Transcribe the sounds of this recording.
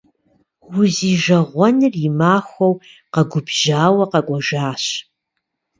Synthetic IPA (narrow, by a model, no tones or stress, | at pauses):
wʊziːʒɐʁʷɔnɨrjɪmaːxʷɔwqɐɡʷʊbʒaːwɐqɐkʷʼɔʒaːɕ